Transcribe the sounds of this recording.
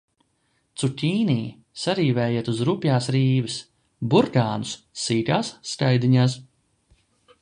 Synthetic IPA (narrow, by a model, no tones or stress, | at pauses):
t̪sutʲiːniː | saɾiːvɛːjeɛt̪uzɾupjaːsɾiːvɨs | buɾkaːnus | siːkaːsːkajd̪iɲaːs